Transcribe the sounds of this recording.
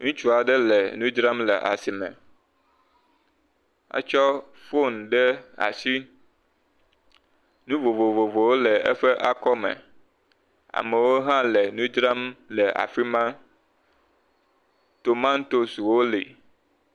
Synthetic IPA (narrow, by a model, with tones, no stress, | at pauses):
ŋũ˦t͡ʃu˦a˨ɖɛ˦lɛ˨nũ˦d͡ʒɾa˦mlɛ̰˨ʔa̰˨si˨mɛ̰̃˨ | a̰˦t͡ʃɔ˦ | fo˦˨n˨ɖɛ˦a̰˨si˦ | nũ˦vo˨vo˨vo˨vo˨wo˦lɛ˨ɛ̰˦ɸɛ˦ʔa˦kɔ˦mɛ̰̃˨ | a̰˨mɛ˨wo˦ɦã˦lɛ˨nũ˦d͡ʒɾa˦mlɛ˨ʔa̰˨fi˦mã˦ | t̪o˨mã˦n˦t̪o˦swo˦lḭ˨